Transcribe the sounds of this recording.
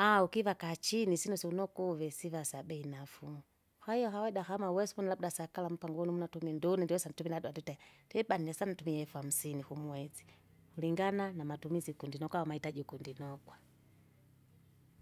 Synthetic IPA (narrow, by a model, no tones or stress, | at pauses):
aukivakat͡ʃinisinusiunɔkuvɛsivasabɛinafumu | hwahijɔhawɛdaxamawɛsumɔnalaɓudasakalam̩paŋɡɔnimunatumɛndunɛndiwɛsantumiladuwandutɛdɛbaninɛsanitumiɛfuam̩sinixumwɛzi̥ | uliŋɡananamatumizikundinɔkwawamaitaʄikundinɔkwa